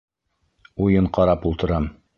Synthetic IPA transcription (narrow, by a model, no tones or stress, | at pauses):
ujɤɴqɑɾɑpulˠt̪ɤ̆ɾɑm